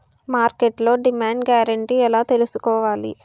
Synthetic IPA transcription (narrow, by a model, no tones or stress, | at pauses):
maːɾkeʈlo̞ːɖimaːɳɖɡjaːɾɐɳʈiɛlaːt̪elusu̥kɔːʋaːlḭ